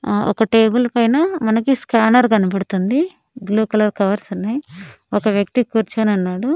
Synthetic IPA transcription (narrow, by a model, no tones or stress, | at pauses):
ɔ̰kɐʈe̞ːbulpɐjnɐmɐnɐkiskaːnɐɾɡɐnɐpɐɽut̪und̪i | ɡluːkɐlɐɾkɐʋɐɾsunːaji | ɔkɐʋjɐk̚t̪ikuːɾt͡ʃɐnɐnːaːɽu